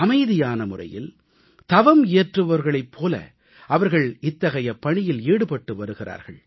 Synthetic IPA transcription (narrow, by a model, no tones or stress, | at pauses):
ɐmɐɪðɪjaːnɐmʊrɐ̰jɪ̰l | t̪ɐʋɐmejɐʈrɯʋɐɾɣɐɭɐɪpʰːoːlɐ̰ | ʔɐʋɐɾɣɐɭɪt̪ːɐɣɐjɐpːɐɳɪjɪleːɽɯpɐʈːɯʋɐɾɯɣɪra̰ːɾɣɐɭ